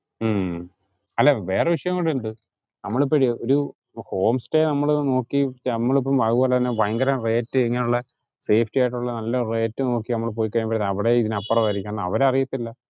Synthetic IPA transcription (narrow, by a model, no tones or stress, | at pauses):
ɐlːɐʋe̞ːreʋiʂɐjɐŋːɐɽuɳɖɨ | nɐmːɐɭip̬ːɐɾioɾu | ho̞ːmstenɐmːɐɭno̞ːkːiɐmːɐɭip̬ːɐmʋɐɣuoːlɐt̪ɐnːebɐjɐŋɡɐɾɐmre̞ːtːɨeŋːɐneuɭːɐ | se̞ːfʰtijajʈ̬ːuɭːɐnɐlːɐre̞ːtːɨno̞ːkːinɐmːɐɭp̬o̞ːjikːɐjɐnmpɐɾinɐʋiɽeiðinɐpːɐrɐʋɐɾikʲːanːɐɐ̰ʋɐɾeɐrijɐt̪ːilːɐ